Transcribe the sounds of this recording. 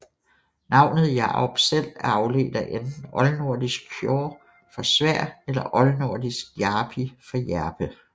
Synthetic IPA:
nɑ̈ʊ̰nð̞̩ˠjɑ̰̈ɒb̥sel̰ɑ̈ʊle̝̰ːd̥ɐʔend̥n̩ɒ̽lno̝ɐ̰d̥isɡ̥̚kʰjɔː | fɒ̽sʋæɐ̰elɐʔɒ̽lno̝ɐ̰d̥isɡ̥jɑ̈ːb̥ʰifɒ̽jæɐb̥ə

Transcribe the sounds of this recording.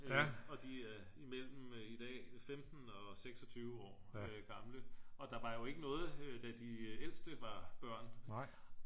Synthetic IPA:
ɒ̽d̥iæɐimel̰m̩id̥ɛ̰ːfemd̥n̩ɒ̽seɡ̥sɒ̽t͡sʰyːʊəɒ̰ːøɡ̥ɑ̈mləɒ̽d̥ɑ̈ʋɑ̈jo̝e̝ɡ̥ənɔ̽ːð̞̩ˠd̥æd̥iel̰sd̥əʋɑ̈b̥ɶɐ̰n

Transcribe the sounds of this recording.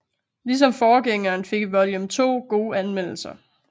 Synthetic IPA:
lis̬ɒ̽mfɒːɡ̥eŋɐːnfe̝ɡ̥iʋɒ̽ljəmt͡sʰo̝̰ːɡ̥o̝ːænmen̰l̩sɐ

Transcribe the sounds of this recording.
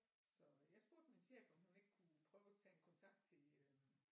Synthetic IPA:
sɒ̽jɑ̈sb̥o̝ɐ̰d̥minsʰeb̥ɒhune̝ɡ̥kʰupʰʁœːʊæt͡sʰɛ̰ːe̝nkʰɒ̽nt͡sʰɑ̈ɡ̥̚d̥̚t͡sʰe̝l

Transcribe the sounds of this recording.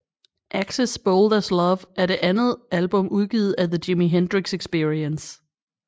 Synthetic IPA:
ʔæɡ̥səsb̥oldɐslɒʋæɐɾe̝ʔænð̞̩ˠʔælb̥ɔ̽muð̞ˠɡ̥iːðð̩ˠæðəd͡ʑimiɦend̥ʁiɡ̥seɡ̥sb̥iɐiəns

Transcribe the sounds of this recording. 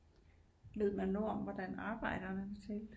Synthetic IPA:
ʋe̝ð̞̰ˠmænːoɒ̽mʋɒd̥ænɑ̈ːb̥ɑ̈ɪ̰d̥ɐnəket͡sʰel

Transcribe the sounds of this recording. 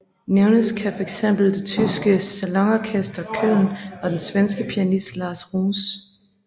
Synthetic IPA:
neʊnəskʰæfɒ̽eɡ̥sem̰b̥l̩ˠd̥e̝t͡sʰysɡ̥əsælɑŋɒkʰesd̥ɐkʰølnɒ̽d̥ensʋensɡ̥əpʰiænisd̥lɑ̈ːsʁuːs

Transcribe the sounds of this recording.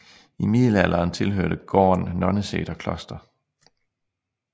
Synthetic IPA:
imið̰ˠl̩æl̰ʔɐːnt͡sʰe̝lɦøɐd̥əɡ̥ɒ̰ːnːɒ̽nəsḛːɾ̥ɐkʰlɒ̽sd̥ɐ

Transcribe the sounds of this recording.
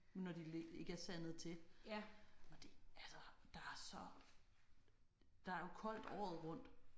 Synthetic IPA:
nɒd̥ilee̝ɡ̥əæɐsænð̩ˠt͡sʰe̝ | ɒ̽d̥e̝ælsɐd̥ɑ̈æɐsɒ̽ | d̥ɑ̈æɐjo̝kʰɒ̽l̰d̥ɒ̰ːð̞̩ˠʁɔ̽n̰d̥

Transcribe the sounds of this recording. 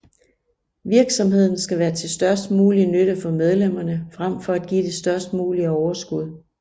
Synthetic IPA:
ʋiɐɡ̥sɒ̽mhe̝ð̞̰ˠn̩sɡ̥æʋæːɐt͡sʰe̝lsd̥ɶɐsd̥̚muːlinøɾəfɒ̽með̞ˠlem̰ɐnəfʁam̰fɒ̽æd̥̚ɡ̥ḭːd̥e̝sd̥ɶɐsd̥muːliəɒʊɐsɡ̥uð̞̰ˠ

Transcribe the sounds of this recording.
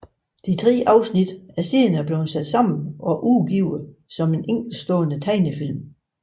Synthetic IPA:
d̥it͡sʰʁɛ̰ːʔɑ̈ʊsnid̥æɐse̝̰ːnæɐb̥leːnsæd̥sɑ̈m̰n̩ʔɒ̽ʔuɡ̥iʊsɒ̽me̝nʔeŋ̰ɡ̥l̩̥sd̥ɔ̽ːnət͡sʰɑɪnəfil̰m

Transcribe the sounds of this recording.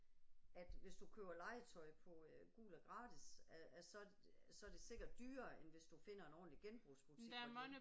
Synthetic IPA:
æd̥ʋe̝sd̥ukʰø̰ːɐlɑ̈ɪət͡sʰɒ̽ɪpʰɒ̽ɡ̥ṵːɡ̥l̩ɒɡ̥ʁɑ̈ːd̥isææsɒ̽ | sɒ̽æɐd̥e̝se̝ɡ̥ɐd̥ːyːɐːenʋe̝sd̥ufe̝n̰ɐe̝nɒ̰ːdn̩liɡ̥enb̥ʁusb̥ʁut͡sʰidmn

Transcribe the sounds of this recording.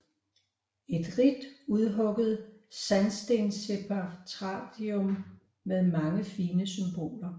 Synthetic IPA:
e̝d̥ʁid̥uðˠɦɔ̽ɡ̥əð̞̩ˠsænsd̥ense̝pʰɑt͡sʰʁɑ̰̈ːd̥iɔmː | eðˠmɑ̈ŋəfiːnəsymb̥o̝̰ːlɐ

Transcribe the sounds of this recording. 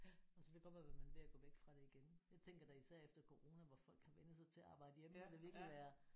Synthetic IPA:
ɒsɒd̥eɡ̥ɒ̥ʋæʋemænʋe̝æɡ̥ɔ̰ːʋeɡ̥fʁɑ̈ɾ̥e̝iɡ̥enjɑ̈ɪt͡sʰeŋ̰ɡ̥ɐɾ̥ɑisæɐ̰efd̥ɐkʰo̝ʁo̝ːnæʋɒfɒ̽l̰ɡ̥ʰhæʋenəsɑ̈ɪt͡sʰe̝æɑ̈ːb̥ɑ̈ɪ̰d̥əjemədeʋiɐɡ̥liiʋæːɐ

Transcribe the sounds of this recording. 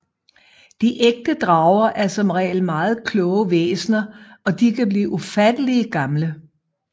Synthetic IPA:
d̥iʔeɡ̥̚d̥əd̥ʁɑ̈ʊɐʔæɐsɒ̽mʁɛ̰ːlmɑ̈ːð̞̩ˠkʰlɔ̽ːʊəʋḛːsnɐɒ̽d̥ikʰæb̥liːʔufæd̥əliəɡ̥ɑ̈mlə

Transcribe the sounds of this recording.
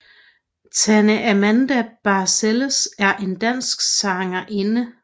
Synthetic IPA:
t͡sʰænəʔæmænd̥æb̥ɑ̈ːseləsæɐʔe̝nd̥æn̰sɡ̥sɑ̈ŋɐʔe̝nə

